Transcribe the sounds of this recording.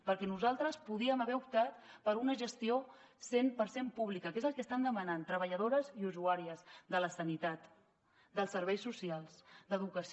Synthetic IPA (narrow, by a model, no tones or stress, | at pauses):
pəɾkɛnuzalˠt̪ɾəspuðiəməβɛup̚t̪at̪pəɾunəʒəst̪io | sempəɾsempuβ̞likəkezəlˠkəst̪and̪əmənant̪ɾəβəʎəð̞oɾəziuzuaɾiəzd̪ələsənit̪at̪ | d̪əlˠsəɾβ̞ɛjsːusialˠsd̪əðukəs